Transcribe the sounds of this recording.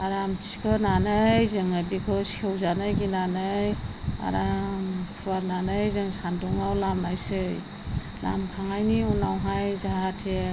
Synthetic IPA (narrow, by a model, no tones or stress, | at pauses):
aɾamtʰi̥kʰɯnanɯjzɯŋabikʰɔskʰewzanɯjɡinanɯja̰ɾampʰuaɾnanɯjzɯŋsanduŋawlamnajsɯj | la̰mkʰaŋajniunawɦajzaɦatʰe